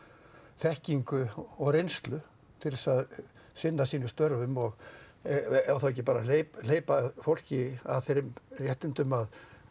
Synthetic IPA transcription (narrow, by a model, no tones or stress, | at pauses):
θɛhciŋkʏɔɣrejnst̪lʏ | t̪ʰɪɾɪsað | sɪnːasiːnʏst̪œɾvʏmɔɣ | awθawɛcːɪpaːɾalejl̥eːjpaðfowl̥cɪa̰ðθejɾɪmrjɛht̪ɪnt̪ʏmað